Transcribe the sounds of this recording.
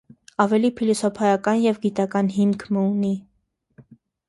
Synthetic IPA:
ɑvɛlipʰilɔsɔpʰɑjɑkɑnjɛvɡit̪ɑkɑnɦimkʰməuni

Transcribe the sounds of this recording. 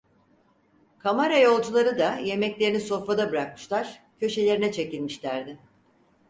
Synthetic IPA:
kʰamaɾajo̞lˠd͡ʒulˠaɾɯd̪aje̞mɛclʲe̞ɾiniso̞fɾad̪abɯɾak̚mɯ̥ʃlˠaɾ̥cʰø̞ʃe̞lʲe̞ɾinɛt͡ʃʰe̞cilʲmiʃlʲæɾd̪ɪ

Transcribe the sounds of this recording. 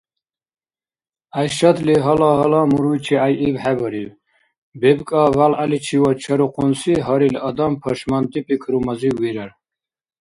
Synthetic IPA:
ajʃad̪liɦalaɦɔlamuɾujt͡ʃʰiajʔivħabɔɾiv | bɛbkʼavalalit͡ʃʰiwɔt͡ʃʰaɾuqʰʼunsiɦaɾilɔd̪ampʰɔʃmant̪ʼipʼikʰɾumaziwiɾaɾ

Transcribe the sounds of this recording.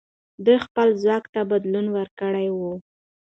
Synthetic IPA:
d̪ujxpəlzwɑkt̪abad̪lunwəɾkəɽajwu

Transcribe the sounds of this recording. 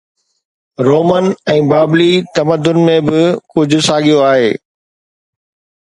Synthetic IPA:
ɾoːmənɛ̃ːbaːblit̪ɐməd̪ʊnmẽbɪkʊd͡ʑʱʊ̆saːɠijoaːɦeː

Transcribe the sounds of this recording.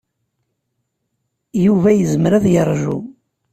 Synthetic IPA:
juvæjəzəmɾæðjərˤʒṵ

